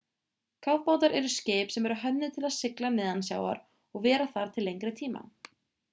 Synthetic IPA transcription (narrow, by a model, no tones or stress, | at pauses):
kʰawvpaːwt̪aɾɛɾʏsceːpsɛmɛɾʏɦœnɪt̪ʰɪlaðsɪklamɛːðansja̰ːwa̰ɾ | ɔɣvɛːɾaθaɾ̥t̪ʰɪlːejŋkɾɪt̪ʰiːma̰